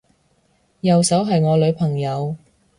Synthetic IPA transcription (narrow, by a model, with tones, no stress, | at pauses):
jɐ˨wsɐ˨˥wɦɐ˨jŋɔː˨˧lɵ˨˧ɥpʰɐ˨˩ŋjɐ˨˧w